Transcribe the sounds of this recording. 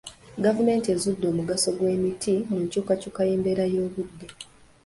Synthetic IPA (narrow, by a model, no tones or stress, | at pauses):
ɡavume̞ːntie̞zudːo̞ːmuɡaso̞ɡwe̞ːmitʰimuɲcuːkacukajeːmbe̞ɾajo̞ːβudːe